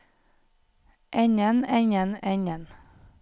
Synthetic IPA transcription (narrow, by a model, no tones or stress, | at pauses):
ʔɛɲənɛɲənɛɲən